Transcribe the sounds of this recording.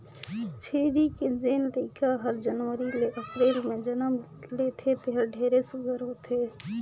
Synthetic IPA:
t͡ʃʰeːɾiked͡ʒeːnləɪkʰaɦəɾd͡ʒənʋəɾileʔəpɾeːlmẽd͡ʒənəm | leːt̪ʰet̪eɦəɾɖʱeːɾesʊɡʱəɾɦoːt̪ʰe

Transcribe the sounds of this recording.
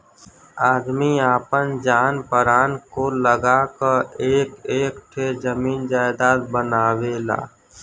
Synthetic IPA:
aːd̪miaːpənd͡ʒaːnpəɾaːnkoləɡakəeːkeːkʈʰed͡ʒəmiːnd͡ʒaːjd̪aːɾbənaːweːla̰ː

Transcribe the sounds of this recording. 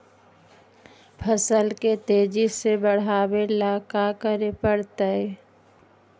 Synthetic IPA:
pʰəsəlket̪eːd͡ʒisebəɽ̤aːwelaːkakəɾepəɽt̪aɦɛ

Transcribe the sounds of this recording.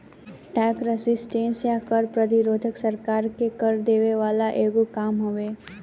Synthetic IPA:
ʈɛːkɾəsɪsʈẽːnsjakəɾpɾəd̪iɾoːd̪ʱəksəɾkaːɾkekəɾd̪eːʋeʋaːlaʔeːɡukaːmɦoʋeː

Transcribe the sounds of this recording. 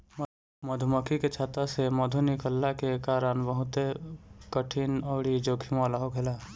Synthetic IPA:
məd̪ʱuməkʰiket͡ʃʰaːt̪aseməd̪ʱunɪkəlːakekaːɾənbəɦʊt̪ekəʈʰinɔːɽid͡ʒoːkʰimoːlaɦokʰelaː

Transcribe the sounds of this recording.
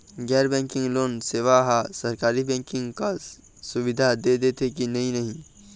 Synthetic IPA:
ɡɛːɾbɛ̃ːŋkɪ̃ŋɡloːnseːʋaɦasəɾkaːɾibɛ̃ːŋkɪ̃ŋɡka | sʊʋɪd̪ʱad̪ed̪et̪ʰekinɐɦĩnɐɦĩ

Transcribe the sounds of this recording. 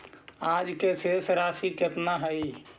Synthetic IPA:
ad͡ʒkesesɾasiket̪naɦəi

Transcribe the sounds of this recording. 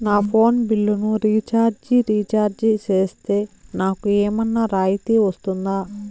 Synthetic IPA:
naːpʰo̞ːnbilːunuɾiːt͡ʃaːɾd͡ʒiɾiːt͡ʃaːɾd͡ʒit͡ʃeːst̪e̞ːnaːkueːmɐnːaɾaːjit̪iːʋɐst̪und̪aː

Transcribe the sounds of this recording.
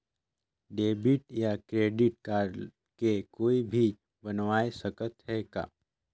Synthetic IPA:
ɖeːbɪʈjakɾeːɖɪʈ̚kaːɾ | kekoːibʱi | bɐnʋaːesəkət̪ɦɛka̰ː

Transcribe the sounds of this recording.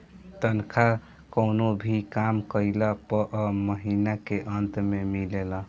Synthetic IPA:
t̪ənkʰa | kəʊnobʱikamkəjləpəʔəməɦinakeʔənt̪memilelə

